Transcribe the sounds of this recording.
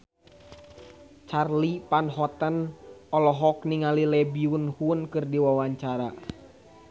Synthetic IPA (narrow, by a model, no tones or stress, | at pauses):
t͡ʃarlipanɦɔt̪ənɔlɔɦɔkniŋalilɛbiunhunkɨrdiwawaɲt͡ʃaɾa